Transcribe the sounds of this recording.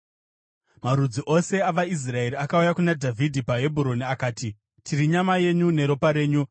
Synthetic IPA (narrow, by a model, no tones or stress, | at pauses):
maɾud͡ziʔo̞se̞aʋais̬rae̞ɾiakaujakunadʱavʱidʱipaɦe̞bʱuɾo̞niakaːti | tʰiɾiɲamaje̞ɲune̞ɾo̞paɾe̞ːɲu